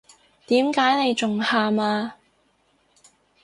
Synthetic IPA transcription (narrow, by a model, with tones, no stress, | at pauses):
t̪iː˨˥mkaː˨˥jne˨˧jt͡ʃʊ˨ŋhaː˧maː˧